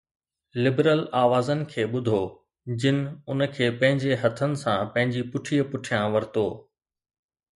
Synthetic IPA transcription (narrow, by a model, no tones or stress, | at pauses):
lɪbɾəlaːʋaːzənɪ̆kʰeːɓʊd̪ʱo | d͡ʑɪnɪ̆ʊnəkʰeːpɐ̃ɦɪ̃ɲd͡ʑeɦɐt̪ʰənɪ̆sãpɐ̃ɦɪ̃ɲd͡ʑipʊʈʰiːəpʊʈʰijãʋɐɾɪt̪oː